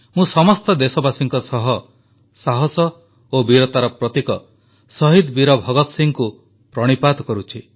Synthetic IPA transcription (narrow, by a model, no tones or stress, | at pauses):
mũsɔmɔst̪ɔd̪esɔbasiŋkɔsɔɦɔ | saɦɔsɔ | obiɾɔt̪aɾɔpɾɔt̪ikɔ | sɔɦid̪biɾɔbʱɔɡɔt̪ɔsiŋku | pɾɔɽ̃ipad̪ɔkɔɾut͡ʃʰi